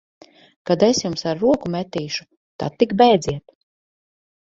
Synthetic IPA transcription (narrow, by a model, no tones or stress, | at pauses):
kad̪esjumsaɾːuɔkumet̪iːʃu̥ | t̪a̰t̪ːikbɛjd̪ziɛt̪